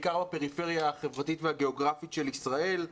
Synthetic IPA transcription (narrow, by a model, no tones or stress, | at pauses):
kaʁbape̞ʁifeʁjaaχe̞vʁatitveaɡe̞o̞ɡʁafitʃelisʁae̞l